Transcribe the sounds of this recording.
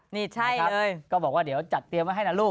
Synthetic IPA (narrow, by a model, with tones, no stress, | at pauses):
ni˨˩t͡ɕʰa˧jaː˨˦˥ʔəː˧jkɔ˧ɓaː˨˩wkwaː˧˩ɗe˨˩˦əwt͡ɕa˨˩t̚t̪i˨˩əmʔə˨˦ɦa˧jlaː˨˩lu˧ə